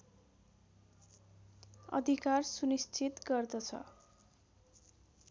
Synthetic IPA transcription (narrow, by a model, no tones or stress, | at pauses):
ʌ̰d̪ʱikarsunist͡sʰit̪ɡʌrd̪ʌt͡sʰʌ̰